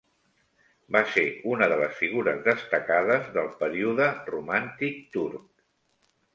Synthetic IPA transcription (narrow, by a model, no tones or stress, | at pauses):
baseunəðələsfiɣ̞uɾə̰zðəst̪əkaðəzðəlˠpəɾiuðərumant̪ik̚t̪uɾk̚